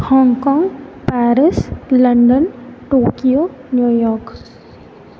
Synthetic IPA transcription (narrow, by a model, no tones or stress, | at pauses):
hɔŋkɔŋpaɾisləndənʈoːkionujɔk